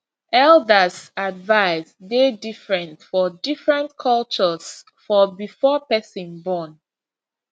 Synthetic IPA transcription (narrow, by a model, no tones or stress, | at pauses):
ɛldəsadvaɪsdedifɹɛ̃ntfɔdifɹɛ̃ntkʰɔlt͡ʃəs | fɔbifɔpɛsɔ̃nbɔ̃n